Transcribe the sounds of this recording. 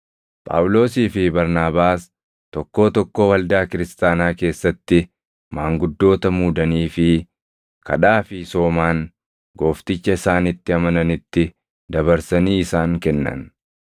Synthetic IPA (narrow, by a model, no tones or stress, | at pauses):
pʼa̰ːwʊlo̞ːsiːfɪbɐɾnaːbaːs | t̪ɔkːo̞ːt̪ɔkːo̞ːwɐld̪aːkɪɾɪst̪aːnaːke̞ːsːɐt̪ːɪ | maːŋɡʊd̪ːo̞ːt̪ɐmuːd̪ɐniːfɪ | kʰɐ̰ᶑaːfɪso̞ːmaːn | ɡo̞ːft̪ɪt͡ʃːɐɪsaːnɪt̪ːɪɐmɐnɐnɪt̪ːɪ | d̪ɐβɐɾsɐniːɪsaːŋkɛnːɐ̰n